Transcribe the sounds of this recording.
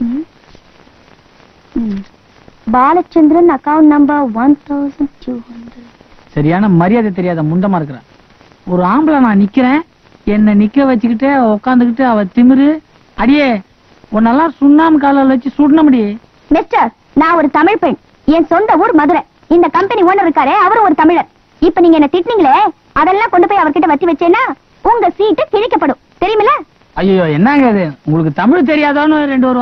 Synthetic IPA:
baːlɐt͡ʃːɐnd̪ɪɾɐnɐkɐʊ̃ɳʈnɐmbɐɾʋɐnt̪ʰɐʊsɐnɖʈʰjuːhɐnɖɾɛɖ | sɐɾɪjaːnɐmɐɾɪjaːðɐt̪ɛɾɪjaːðɐmʊɳɖɐmaːɪɾɯkːɾã̰ː | ɔɾɯaːmblɐnãːnɪkːɪɾẽː | ɛnːɐnɪkːɐʋɐt͡ʃːɯk̬ːɪʈːɯɐɔkːaːnd̪ɯkɪʈːɯɐʋɐ̃t̪ɪmɪɾɯ | ɐɽɪjeː | ɔnːɐlːãːsʊnːaːmkaːlɐlʋɐt͡ʃːɯsuːʈ̬ɪnɐmʊɽɪje | mɪsʈɐɾ | nãːɔɾɯt̪ɐmɪɻpeːɳ | ɛnsɔnd̪ɐuːɾmɐðɯɾɛ̃ | ɪnd̪ɐkɐmpɛnioːnɐɾɪɾɯkːaːɾeɐʋɐɾɯ̃ɔɾɯt̪ɐmɪɻɐɾ | ɪpːɐniːŋɡɐɛnːɐt̪ɪʈːniːŋɡɐɭe | ɐðɛlːãːkɔɳɖɯp̬ːoːjɐʋɐɾkɪʈːɐʋɐt̪ːiʋɐt͡ʃːeːnːaː | ʊŋɡɐsiːʈːɯk̪ɪɻɪkːɐpːɐɽʊ̃ | t̪ɛɾɪjɐmɐlːɐ | ɐjːɐjoːɛnːaːŋɡɐðɯʊŋɡɐɭɯkːɯt̪ɐmɪɻt̪ɛɾɪjaːðaːnʊ̃ɾɛɳɖɯʋɐɾʊ̃

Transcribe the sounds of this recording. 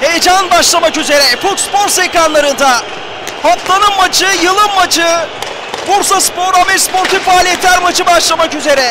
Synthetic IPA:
hejd͡ʒanbaʃlˠamakyze̞ɾɛfut̪spo̞ɾsejkɾanlˠaɾɯnd̪a | hap̪lˠanɯmmat͡ʃʰɯjɯlˠɯmːat͡ʃʰɯ | buɾsaspo̞ɾamɛspoɾt̪ʰifaːlʲijɛt̪lʲæɾmat͡ʃʰɯbaʃlˠamakyze̞ɾɛ

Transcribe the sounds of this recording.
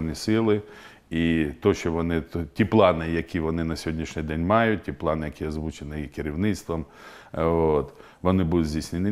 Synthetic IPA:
nʲisɪlˠɪ | it̪ɔʃt͡ʃɔʋɔnɪtʲiplˠɑnɪjɐkʲiʋɔnɪnɐsʲɦɔdʲnʲiʃnʲɪjd̪ɛnʲmɑjʊt̚ʲtʲiplˠɑnɪjɐkʲiɐzʋut͡ʃenɪjikeɾʲiwnɪt̪st̪ʋɐm | ot̪ | ʋɔnɪbud̪ʊd̪ʲzʲdʲijsʲnʲɪnʲɪ

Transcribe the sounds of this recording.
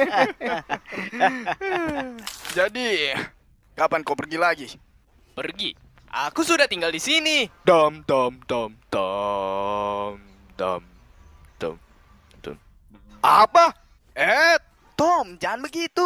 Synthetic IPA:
d͡ʒadi | kapankawpərɡilaɡi | pərɡḭ | ʔakusudaht̪iŋɡaldisinid̪ɔmt̪ɔmt̪ɔmt̪ɔ | m | d̪ɔ̰m | t̪ɔ̰m | t̪ɔ̰m | apa | ɛt̪ | t̪ɔmd͡ʒaŋanbəɡit̪u

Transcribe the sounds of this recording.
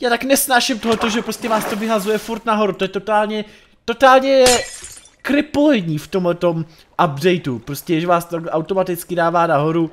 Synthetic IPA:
jaːt̪aknɛsnaːʃɪmt̪oɦot̪oʒɛpɾo̞scɛvaːst̪o̞vɪɦazujɛfuɾt̪naɦo̞ɾut̪ojɛt̪ot̪aːlɲɛ | t̪o̞t̪aːlɲɛ | kɾɪpolɛɲiːft̪o̞mɦlɛt̪o̞m | ʔabdɛjt̪upɾo̞scɛʒɛvaːst̪ot̪aɡɛʔawt̪o̞mat̪ɪt͡skɪdaːvaːnaɦo̞ɾu

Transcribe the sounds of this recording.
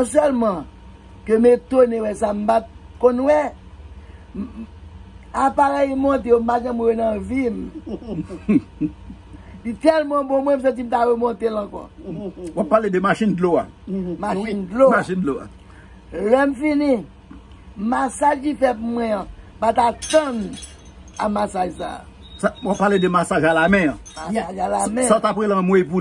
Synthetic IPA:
nɔ̃s̬ɛlmʌ̃ | kømet̪onewɛsam̩bat̚kõnwɛ | apaɣɛjmõt̪̬eom̩paʒɛ̃muenɐ̃vim | lit̪ɛlmɔ̃mɔ̃mw̃ɛ̃ms̬ʌ̃t͡s̬im̩taɣemɔ̃t̪elʌ̃kɔ̰wappːaled̪əmaʃĩndloa̰ | maʃindlomaʃindloa̰ | lɛm̩finĩ | masaʒkifɛt̚mwɛ̃ãpat̪at̪ʌ̃n | a̰masaʒsa̰ː | sawapːaled̪emasaʒalamɛ̃ãmasaʒalamɛ̃aot̪apɣelãmwepu

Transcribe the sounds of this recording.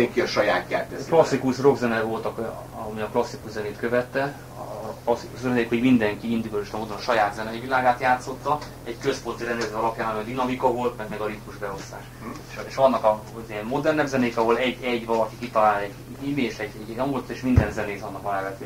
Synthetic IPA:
ɛŋkiɒʃɒjaːt̪jaːt̪ːɛklɒsːikuʃro̞ɡzɛnɛvo̞lt̪ɒk | ɒmiɒklɒsːikuʃzɛneːt̪køvɛt̪ːɛ | klɒsːikusøɛneːkho̞ɟmind̪ɛŋkiind̪iɡɒiʃt̪ɒmoːd̪onɒʃɒjaːd̪zɛnɛivilaːɡaːt̪jaːt̪so̞t̪ːɒ | ɛɟkø̞spo̞nt̪iɾɛnd̪ɛzɒlɒpjaːnɒmiɒd̪inɒmikɒvo̞lt̪mɛɡmɛɡɒɾit̪muʒbɛo̞st̪aːʃ | ʃeʃɒnːɒkɒ | ziɛmːo̞d̪ɛrnɛbzɛneːkɒɦo̞lɛɟːɛɟvɒlɒkikit̪ɒlaːlɛɟː | iːmeʃɛɟːɛɟɛɟɒŋɡolot̪ːeːʃmind̪ɛnzɛneːzɒnːɒkɒlɛːvɛt̪ːe

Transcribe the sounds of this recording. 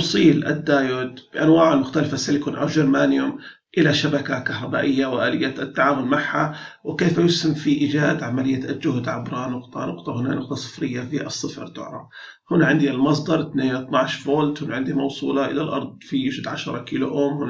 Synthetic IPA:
sˤiːlʔa̰d̪ːaːjʊd̪b̥ɪʔanwaːʕalmʊxt̪alɪfasalɪkʊnʔa̰wʒaɾmaːnjʊm | ʔɪlaʃabakakahɾˤɑbaːʔɪjːawʔaːlɪjːat̪ːaʕaːmʊlmaʕha | wɪkeːfajʊshɪmfiʔiːd͡ʒaːd̪ʕamalɪjːald͡ʒʊhd̪ʕabɾˤɑnʊqt̪ˤɑnʊqt̪ˤɑhʊna̰nʊq̚t̪ˤɑsˤɨ̥fɾɪjːafiʔɑsˤːɨfɾt̪ʊ̰ʕɾˤɑ̰f | hʊnːaʕɪnd̪ilmɑs̬ˤd̪ɑɾˤt̪neːnɪt̪naʕʃfoːlt̪hʊnaʕɪnd̪imɑwsˤuːlɑʔɪ̰lalʔɑ̰ɾˤd̪̚ˤfijʊʃd̪ʕaʃɑɾˤɑkiːlṵʔoːmhʊnː

